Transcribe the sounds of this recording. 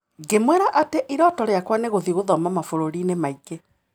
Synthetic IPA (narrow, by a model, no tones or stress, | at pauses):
ɡemwɛɾaʔateʔiɾɔtɔɾeakwaneɣoðiɣoðɔmamafoɾoɾinemaiɡe